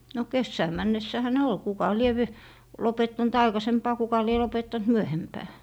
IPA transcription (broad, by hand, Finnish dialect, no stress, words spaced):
no kesːæː mænːesːæhæ ne ol kukɑ lie ʋ lopetːɑnt ɑikɑsempɑː kukɑ lie lopetːɑnt myøhempæː